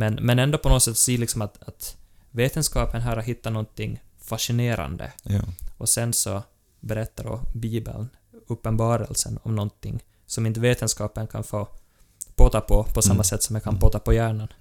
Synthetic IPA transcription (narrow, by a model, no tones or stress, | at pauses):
mɛnmɛnɛnd̪opʰɔnoːsɛt̪ːsiːlɪksɔmat̪at̪veːt̪ənskɑːpənɦæːɾat̪ɦɪt̪ːanɔnt̪ɪŋːfaʂɪneːɾa̰nd̪ə̰ɔsɛnsɔ | bɛɾɛt̪ːaɖɔ̰biːbə̰ln | ɵpːənbɑːɾə̰lsə̰nɔ̰mnɔnt̪ːɪŋː | sɔmɪnt̪əveːt̪ənskɑːpənkʰa̰nfoː | pʰoːt̪apʰɔpʰɔsamːasɛt̪ːsɔmjakʰanpʰoːt̪apɔjæːɳan